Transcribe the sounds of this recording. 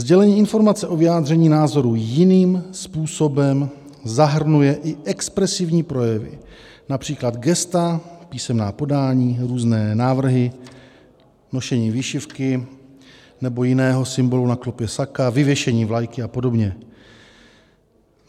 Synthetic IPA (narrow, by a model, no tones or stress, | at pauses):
zɟɛlɛɲiːʔɪnfo̞ɾmat͡sɛʔo̞vɪjaːd̪r̝ɛɲiːnaːzo̞ɾujɪniːmspuːso̞bɛm | zaɦr̩nujɛʔɪʔɛkspɾɛsɪvɲiːpɾo̞jɛvɪ̰ | napr̝̥iːklad̪ɡɛst̪apiːsɛmnaːpo̞daːɲiːɾuːznɛːnaːvr̩ɦɪ | no̞ʃɛɲiːviːʃɪfkɪ | nɛbo̞jɪnɛːɦo̞sɪmbo̞lunaklopjɛsakavɪvjɛʃɛɲiːvlajkɪapo̞do̞bɲɛ